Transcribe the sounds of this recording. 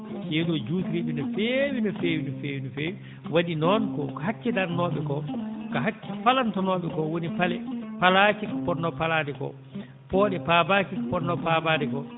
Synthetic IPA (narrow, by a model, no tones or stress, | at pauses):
jɛɗɔd͡ʒutɾiɓɛnɛfewinɔfeːwinɔfeːwinɔfewi | waɗinɔnkɔkhat͡ʃːɛdaɾnɔːɓɛkɔkaɦat͡ʃːɛpalantɔnɔːɓɛkɔwonipalɛpalat͡ʃikpɔdnːɔpalaːdɛkɔ̰ | pɔːɗɛpabat͡ʃikapɔdnɔpabadɛkɔ